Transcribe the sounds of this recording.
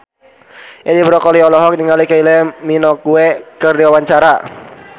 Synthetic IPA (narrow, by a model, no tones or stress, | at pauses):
ʔɛdibɾɔkɔliɔlɔɦɔk̚niŋalikailɛminɔkuɛkɨrdiwawaɲt͡ʃaɾa